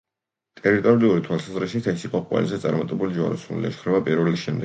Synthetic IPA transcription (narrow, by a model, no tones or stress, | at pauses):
t̪ʼɛɾit̪ʼɔɾiuɾit̪ʰwalˠsazɾiʃit̪ʰɛsiqʼɔqʼwɛ̰lizɛt̪sʼa̰ɾmat̪ʼɛbulid͡ʒwa̰ɾɔsunḭlɛ̰ʃkʰɾɛvapʼiɾvɛlisʃɛmd̪ɛɡ